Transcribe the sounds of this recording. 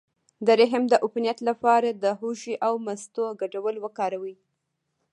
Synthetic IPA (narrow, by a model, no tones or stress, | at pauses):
d̪əɾɪɦəmd̪əʔʊpnijat̪lapɑɾad̪əɦuʃiʔawmast̪oɡaɖawəlwəkɑɾawi